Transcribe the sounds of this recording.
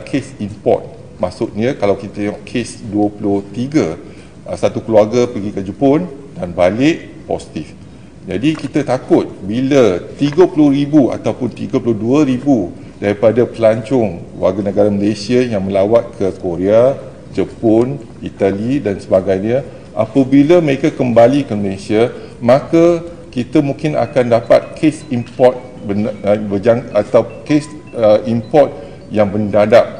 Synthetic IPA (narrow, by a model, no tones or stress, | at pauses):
kʰesimpɔ̰t̪̚ | masʊt̪̚ɲəkalawkit̪at̪ɛŋɔʔkʰesduəpulʊht̪iɡə | əsat̪ukəluaɡapəɡikəd͡ʒəpʊn | danbalɪʔ | pɔ̰si̥t̪if | d͡ʒadikit̪ət̪akʊt̪̚bilət̪iɡəpulʊhɾibua̰t̪awpʊnt̪iɡəpulʊhduəɾibu | daɾipadapəlaɲt͡ʃʊŋkwaɡanə̃ɡaɾaməlesiajaŋmə̃lawat̪̚kʰəkoɾea | d͡ʒəpɔn | it̪alidansəbaɡajnia | ʔapabilaməɾekakəmbalikəməlesiamãka | kit̪amũŋkɪna̰kandapa̰t̪̚kʰesimpɔt̪̚ | bənbəd͡ʒaŋat̪awkes | əimpɔt̪̚ | jaŋbəndadap̚